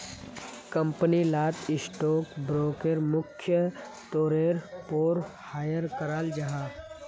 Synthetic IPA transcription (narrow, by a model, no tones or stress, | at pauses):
kɐ̃mpənilaːt̪ɪsʈoːkbɾoːkeɾmʊkʰjə | t̪oːɾeːɾpoːɾhaːjəɾkəɾaːld͡ʒɐɦaː